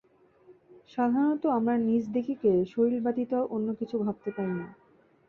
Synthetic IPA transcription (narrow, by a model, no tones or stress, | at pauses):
ʃad̪ʱanot̪oamɾanid͡ʑd̪ekʰikeʃoɾilbat̪it̪oʔonːokit͡ɕʰubʱab̚t̪epajna